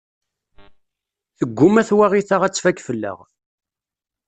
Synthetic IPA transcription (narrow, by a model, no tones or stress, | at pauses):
θəɡʷːʊmæθwaʁiθaʁæt͡sːfækːfəlːə̰ʁ